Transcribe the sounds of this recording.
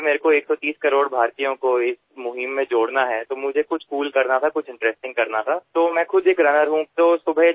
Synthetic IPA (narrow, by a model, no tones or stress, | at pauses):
meːɾekoeːksɔt̪iːskɐɾoːɽbʱaːɾt̪ijõkoɪs | mʊɦɪmːẽd͡ʒoːɽnaɦɛt̪omʊd͡ʒʱekʊt͡ʃʰkuːlkɐɾnat̪ʰakʊt͡ʃʰɪ̃ɳʈɾɛsʈɪ̃ŋɡ̚kɐɾnat̪ʰaːt̪oːmɛ̃ːxʊd̪eːkɾɐnəɾɦũt̪oːsʊbʱə